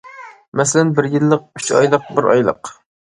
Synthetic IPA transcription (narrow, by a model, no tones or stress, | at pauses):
mɛsɪlɛnbɪɾjilˠːəq̚yt͡ʃɑ̰jlˠəq̚bɪɾɑ̰jlˠə̰q